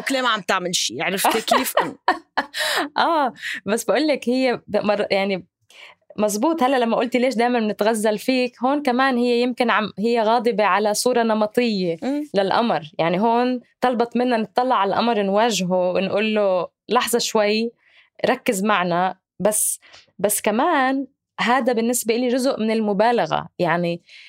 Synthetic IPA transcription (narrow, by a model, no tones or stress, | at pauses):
kleːmaʕamt̪aʕmɪlʃiːʔaʕɾˤɪft̪ikiːfʔ | ʔaːbasːbaʔuːlːakhɪjːemɑrˤjaʕni | mɑzˤbuːt̪ˤhalːaʔlamːaʔʊlt̪ileːʃ̬d̪aːmannɪt̪ɣazːalfiːkɦoːnkamaːnhɪjːejɪmkɪnʕamhɪjːeɣɑːd̪ˤɨbeʕalasˤuːɾˤɑnɑmɑt̪ˤɨjːelalʔa̰mɾjaʕniɦoːnt̪ɑlbɑt̪ˤmɪnːanɨt̪ˤːɑlːɑʕalʔa̰mɾˤnwaːʒɦowɪnʔuːlːo | lɑħzˤɑʃwaj | ɾˤɑkːɪzmaʕna | basːbasːkamaːn | ɦaːd̪abɪnːɪsbeʔɪliʒʊzʊʔmɪnɪlmʊbaːlaɣa̰jaʕni